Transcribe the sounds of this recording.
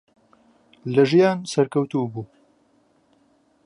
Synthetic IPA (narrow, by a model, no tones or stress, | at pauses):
lɐʒijaːnsɐɾkɐwt̪ubuː